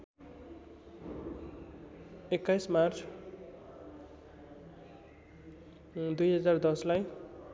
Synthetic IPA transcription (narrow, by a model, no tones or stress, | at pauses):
ekːajsmart͡sʰ | d̪ujɦʌd͡zard̪ʌslaj